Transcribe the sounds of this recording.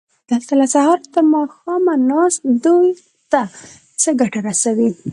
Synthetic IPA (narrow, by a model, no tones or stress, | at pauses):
d̪̥alt̪alasahɑɾd̪əmɑxɑmanɑsd̪uj | t̪a | t͡səɡaʈaɾasawi